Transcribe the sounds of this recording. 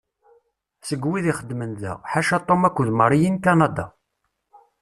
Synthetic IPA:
səɡwiðiχəd̪ːmənðæ̰ʁħaʃæt̪ˤːomækʷːʊðməɾˤijinkɑnɑd̪ɑ

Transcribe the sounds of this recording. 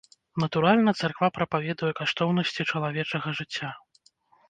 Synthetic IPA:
nɐt̪uɾalʲnɐt̪sarkvapɾɐpavʲɛd̪ujɛkaʂt̪ɔwnɐsʲt͡sʲit͡ʂɐlˠavʲɛt͡ʂɐɣɐʐɨt͡sʲːa

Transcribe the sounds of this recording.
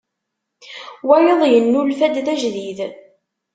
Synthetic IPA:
wæjəðˤjənːulfæd̪ðæʒðið

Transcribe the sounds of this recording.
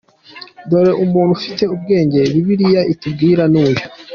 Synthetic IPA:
do̞ɾe̞ʔumuːn̥hufite̞ub̚ɡe̞ːɲɟe̞βiβiɾijaʔitub̚ɡiːɾanuːjo

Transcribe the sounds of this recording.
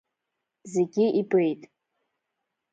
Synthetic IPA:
zeɡʲiʔibejtʼ

